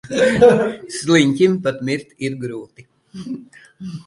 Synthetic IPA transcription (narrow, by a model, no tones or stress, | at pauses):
slˠiɲʲkʲimpat̪mʲiɾt̪iɾɡɾuːt̪i